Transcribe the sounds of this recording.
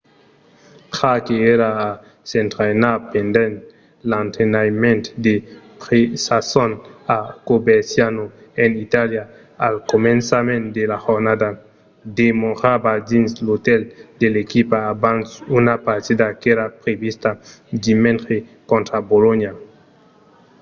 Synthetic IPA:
xakeeɾaː | sent̪ɾenapend̪ent | lant̪ɾenajmẽnt̪d̪epɾesasonakobeɾsjano | enit̪aljaː | lkomensamẽnt̪d̪elaxoɾnad̪a | d̪emoʁabad̪inslot̪eld̪elekipaːbansunapaɾt̪id̪akeɾapɾeβist̪a | d̪imẽnxekont̪ɾaboloɲa

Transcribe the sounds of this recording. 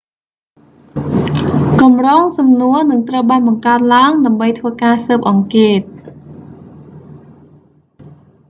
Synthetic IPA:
kɑmroːŋsɑmnuənɨŋt̪rəwɓaːnɓɑŋkaət̪̚laəŋɗaəmɓəjt̪ʰʋəːkaːsəːp̚ʔɑŋkeːt̪̚

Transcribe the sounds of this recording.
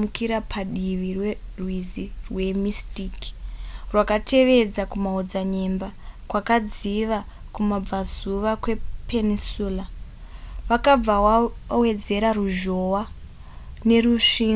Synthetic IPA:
ukiɾapʰaɗiʋiwe | rwizirwe̞mistiki̥rwakate̞ʋe̞d͡zakumaud͡zaɲembakwakad͡ziʋa | kumab͡vazuʋakwe̞penisula | ʋakab͡vawwe̞d͡ze̞ɾaruʒo̞wa | ne̞ɾuʃiː

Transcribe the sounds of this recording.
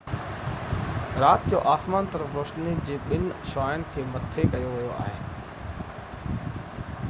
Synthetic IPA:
ɾaːt̪̚d͡ʑo̰ːʔaːsmaːnt̪ɐɾəfɾoːʃnid͡ʑeːɓɪnɪʃaːjənɪ̆kʰeːmɐt̪ʰːekɐjoʋɐjoa̰ːɦɪnɪ̆

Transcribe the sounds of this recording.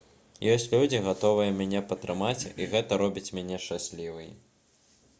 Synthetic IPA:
jɔsʲtʲlʲud͡zʲiɣat̪ɔvɨjɐmʲanʲɛpɐt̪ɾɨmat͡sʲiɣɛt̪ɐɾɔbʲit͡sʲmʲanʲɛʂt͡ʂasʲlʲivɨj

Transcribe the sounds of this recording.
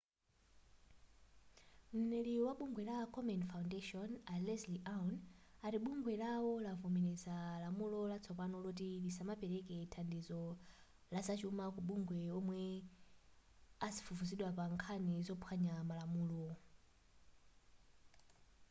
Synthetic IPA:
m̩nɛliwaɓuŋɡwɛlakɔmɛnfawndeʃɔnalɛsliʔawnaɾiɓuŋɡwɛlawɔlavumɛnɛzalamulɔlat͡sʰɔpanɔlot̬ilisamapɛɾɛkɛtʰandizɔ | lazat͡ʃumakuɓuŋɡwɛɔmwɛ | azi̥fuvuziɗwapaŋkʰanizɔpʰwaɲamalamuːlɔ

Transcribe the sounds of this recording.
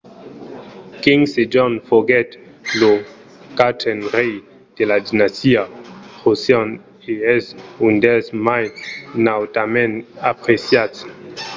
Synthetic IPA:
kiŋɡsed͡ʒɔnfoɡɛt | lo | katʰenʁej | d̥eladinastiaʁosɔn | iɛsundɛsmajnawtamɛnapɾesjat͡s

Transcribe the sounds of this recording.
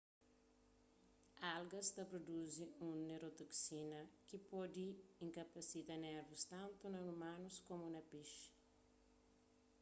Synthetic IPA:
alɡɐst̪ɐpɾod̪uziũneɾot̪oksinɐkipɔd̪iĩŋkɐpɐsit̪ɐnɛɾvust̪ãnt̪unɐumãnuskomunɐpiʃ

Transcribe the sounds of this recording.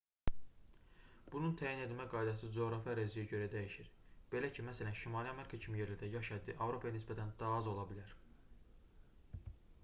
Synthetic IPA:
b̥ununt̪ʰæjine̞d̪ilmæɡɑːjd̪æsid͡ʒo̞ɾɑfæɾed͡ʒijɟø̞ɾæd̪æjiʃiɾb̥e̞læcʰimæsælænʃimɑːliɑme̞ɾikʰɑcʰimije̞ɾlæd̪æjɑʃæd̪iʔɑvɾo̞pʰɑjɑnisbæt̪ʰænd̪ɑɑzo̞lˠɑbilæɾ̥

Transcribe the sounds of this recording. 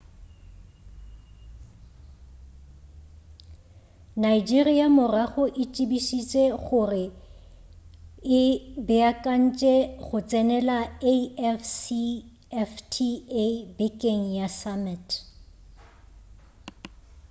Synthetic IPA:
naid͡ʒiriamʊraχʊʔɪt͡ʃʼibisit͡sʼeɣʊrɪ | ɪbɪakʼan̩t͡ʃʼɛχʊt͡sʼɛnɛlaeɛfsi | ɛftʰiebɪkʼeŋ̩jasamɪtʰ

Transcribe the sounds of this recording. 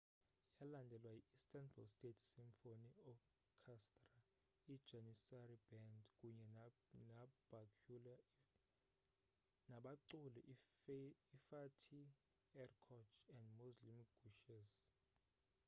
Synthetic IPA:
jalandʱɛlwaiːstʰʼanbulstʼetʰsiɱfoniɔ | kʰɛstʰra | id̥ʒ̥ʱanisarib̥ɛndkʼuɲɛnab̥akʰula | naɓaǀulɛʔː | fatʰi | ɛrkʰɔd͡ʒɛndmuzlimɡ̥ʱuʃɛz

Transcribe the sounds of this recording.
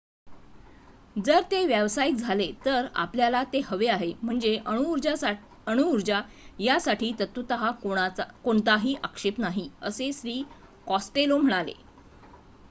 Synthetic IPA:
d͡zəɾt̪eʋjəʋsajik̚d͡zʱalet̪əɾa̰pljalat̪ehəʋeaɦem̤əɳd͡ʑeə̃uɾd͡ʑa | əɽ̃uːɾd͡ʑa | jasaʈʰiːt̪ət̪ʋət̪əɦaokoɳt̪aɦiːʔəkʂepnaɦiəseɕɾiː | kɔsʈelom̤əɽ̃alḛ

